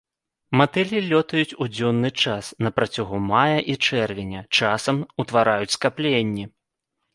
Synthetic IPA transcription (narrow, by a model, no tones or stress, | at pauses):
mat̪ɛlʲilʲɔt̪ɐjut͡sʲud͡zʲɔnːɨt͡ʂasnɐpɾɐt͡sʲaɣumajɐʔit͡ʂɛrvʲenʲɐt͡ʂasɐmut̪vaɾajut͡sʲskaplʲenʲːi